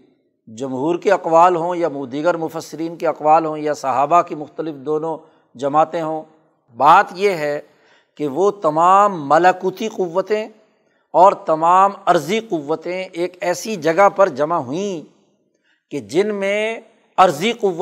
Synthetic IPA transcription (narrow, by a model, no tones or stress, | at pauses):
d͡ʒɐmɦuːɾkeɐqʋaːlɦõjamuːd̪iɡəɾmʊfəsːɪɾiːnkeɐqʋaːlɦõjasɐɦaːbakimʊxt̪əlɪfd̪oːnõ | d͡ʒɐmaːt̪ẽɦõː | baːt̪jeɦɛ | keʋot̪ɐmaːmːɐlakuːt̪iqʊʋːət̪ẽ | ɔːɾt̪ɐmaːmɐɾziqʊʋːət̪ẽeːkɛːsid͡ʒɐɡapɐɾd͡ʒɐmaɦʊĩ | ked͡ʒɪnmẽ | ɐɾziqʊʋː